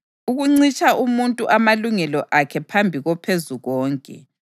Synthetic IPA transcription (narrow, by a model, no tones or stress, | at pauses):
uɣuŋ͡ǀit͡ʃʼaumuntʼuʔamaluŋɛlɔʔakʰɛpʰambʱiɣɔpʰezuɣɔːŋkʼɛ̰